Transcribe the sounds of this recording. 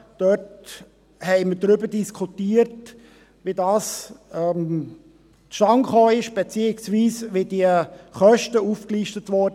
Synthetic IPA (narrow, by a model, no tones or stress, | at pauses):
d̥øt | hɛɪmədɾʏbədiskʰutiːəɾt | ʋidɑːsɛm | tʃtɑŋχoːɪʃb̥et͡siːɪksʋiːsʋediəχœʃtəufkliːʃtətʋɔɾd